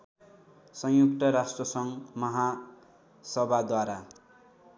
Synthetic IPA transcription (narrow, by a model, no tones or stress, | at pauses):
sʌjjukt̪ʌɾasʈrʌsʌŋmʌɦa | sʌbʱad̪waɾa